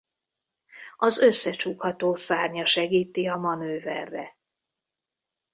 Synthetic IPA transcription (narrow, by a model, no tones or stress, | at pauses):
ɒzø̞sːɛt͡ʃuːkhɒt̪oːsaːrɲɒʃɛɡiːt̪iɒmɒnøːvɛ̰rːɛ̰